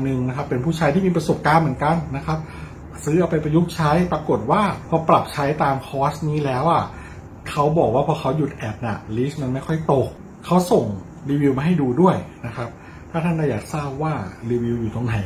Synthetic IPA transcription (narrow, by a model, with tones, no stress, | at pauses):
nɯ˧ŋna˦˥kʰa˦˥pːe˧npʰuː˥˩t͡ɕʰaː˦˧jt̪ʰiː˥˩miː˧p̬ɾa˧so˨˩p̚kaː˧nmɯ˩˦ə˦nka˧nːa˦˥kʰa˦˥p̚ | sɯː˦˥ʔa˧wpa˧jpɾa˧ju˦˥k̚t͡ɕʰa˦˥jpɾa˧ko˨˩ət̪̚waː˥˩pʰɔ˧˥pɾa˨˩p̚t͡ɕʰa˦˥jt̪aː˧mkʰɔː˦˥sniː˦˥lɛː˦˥wʔa˨˩ | kʰa˦˥wbɔː˨˩k̚waː˥˩pʰɔː˧kʰa˦˥wju˨˩t̪̚ʔɛː˨˩p̚na̰˨˩liː˦˥sma˧nma˥˩jkʰɔ˥˩jt̪o˨˩k̚ʰː | a˦˥wso˨˩ŋ | ɾiː˧wi˧wmaː˧ɦa˥˩jduː˧du˥˩əjna˦˥kʰa˦˥p̚ | t̪ʰaː˥˩t̪ʰa˥˩nda˥˩jaː˨˩k̚saː˥˩p̚waː˥˩ɾiː˧wi˧wjuː˨˩t̪o˧ŋnʰa˨˩˦